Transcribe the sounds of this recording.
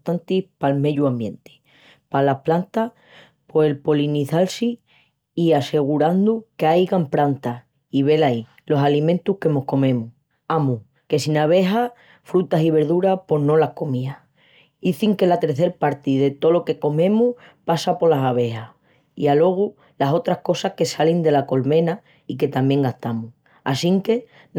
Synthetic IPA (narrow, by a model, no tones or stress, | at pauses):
t̪ant̪ihpalme̞ʎuambje̞nt̪e̥ | palaplant̪a | po̞elpo̞liniθalsi | iase̞ɣ̞uɾand̪ukeajɣampɾant̪a | iβ̞e̞lai | lo̞salimẽnt̪uhke̞mo̞hko̞mẽ̞mu | amu | ke̞sinaβ̞e̞ɦa | fɾut̪asiβ̞e̞ɾðuɾapo̞ɦnõ̞lahko̞mia | iθiŋke̞lat̪e̞ɾθe̞ɾpaɾt̪iðe̞t̪o̞lo̞ke̞ko̞mẽ̞muh | pasapo̞lasaβ̞e̞ha | ḭalo̞ɣ̞u | laso̞t̪ɾahko̞sahke̞salind̪e̞lako̞lmẽ̞na | ike̞t̪amje̞ŋɡaht̪amu | a̰siŋke̞